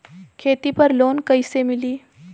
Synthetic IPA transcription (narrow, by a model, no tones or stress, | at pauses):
kʰeːt̪ipɐɾloːnkəisemɪliː